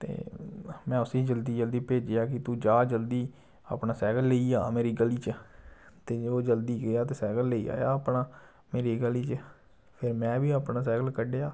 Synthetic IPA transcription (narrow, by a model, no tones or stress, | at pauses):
t̪ḛːmɛ̃ːʊsiːd͡ʒəld̪iːd͡ʒəld̪iːpeːd͡ʒeːaːkɪt̪uːd͡ʒaːd͡ʒəld̪iː | a̰ːpnaːsɛːɡəlːeiːaːmeːɾiːɡəliːt͡ʃə | t̪eːoːd͡ʒəld̪iːɡɪjaːt̪eːsɛːɡəlːeḭːa̰ːjaːəpnaː | meːɾiːɡəliːt͡ʃ | pʰɪɾmɛ̃ːbiːaːpnaːsɛːɡəlkəɖːaː